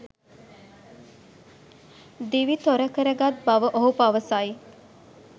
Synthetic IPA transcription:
d̪iʋit̪oɾəkəɾəɡat̪̚baʋəʔoɦupaʋəsaji

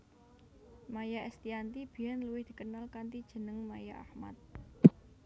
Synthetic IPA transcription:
majaʔɛst̪iant̪ib̥i̤anluwɪhd̪̥i̤kənalkant̪id̥ʒ̥ə̤nəŋmajaʔahma̰t̪̚

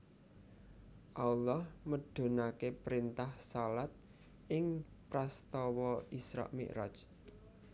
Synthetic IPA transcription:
ʔalːɑhməɖ̥o̤nakepɾint̪ahsalat̪̚ | ʔɪŋpɾast̪ɔwɔisɾa̰ʔmḭʔɾa̰d͡ʒ

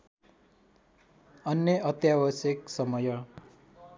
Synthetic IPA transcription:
ʌnːeʌt̪jabʌsjʌksʌmʌjʌ

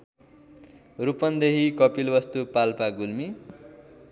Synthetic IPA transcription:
rupʌnd̪eɦikʌpilbʌst̪upalpaɡulmi

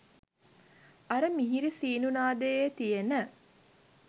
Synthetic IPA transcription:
ɐɾəmiɦiɾisiːnunaːd̪eet̪ijenə

